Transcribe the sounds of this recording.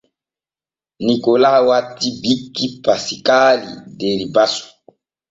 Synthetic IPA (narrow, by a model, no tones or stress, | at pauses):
nikolawatibikːipasikalḭdeɾibasu̥